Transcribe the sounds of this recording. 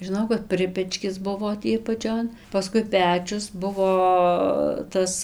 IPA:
ʒʲɪˈnɐʊ kɐt ˈpʲrʲɪpʲɛt͡ʃʲkʲɪs ˈbʊʋoː tʲiː ɐpɐˈt͡ʃʲoːn pɐˈskʊɪ ˈpʲæːt͡ʃʲʊs ˈbʊʋoː ˈtɐs

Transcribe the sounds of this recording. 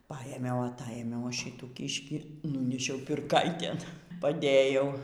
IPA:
pɐˈeːmʲɛʊ ɐˈtɐeːmʲɛʊ ˈɐʃ ʃʲiːtuː ˈkʲiːʃʲkʲiː ˈnuːnʲɛʃʲɛʊ pʲɪrˈkɐɪtʲeːn pɐˈdʲeːjɛʊ

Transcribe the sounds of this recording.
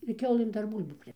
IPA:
ɪr ˈkʲɛʊlˠɘm ˈdɐr ˈbuːlʲbuː ˈpʲrʲɪ

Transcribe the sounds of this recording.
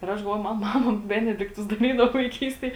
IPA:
ɪr ˈɐʃ ɡɐlˠˈʋoːjʊ ˈmɐn ˈmɑːmɐ ˈbʲæːnʲɛdʲɪkˌtʊs dɐˈrʲiːdɐʋoː ʋɐɪˈkʲiːsʲtʲeːj

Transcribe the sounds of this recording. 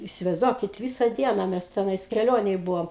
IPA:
ɪsʲɪʋɐɪzˈduɔkʲɪt ˈʋʲiːsɐ ˈdʲiɛnɐ ˈmʲɛs tʲɛˈnɐɪs kʲɛˈlʲoːnʲeːj ˈbʊʋoːm

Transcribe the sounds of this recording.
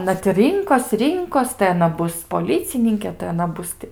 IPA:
ɐˈnɐ tʲɪ ˈrʲɪŋkoːs ˈrʲɪŋkoːs tɐɪ ɐˈnɐ ˈbʊs poːˈlʲɪt͡sʲɪnʲɪŋʲkʲeː tɐɪ ɐˈnɐ ˈbʊs tʲɪ

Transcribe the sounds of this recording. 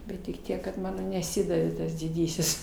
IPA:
bʲɛt tʲɪk ˈtʲiɛk kɐt ˈmɑːnoː nʲɛˈsʲɪdɐʋʲeː ˈtɐs dʲɪˈdʲiːsʲɪs

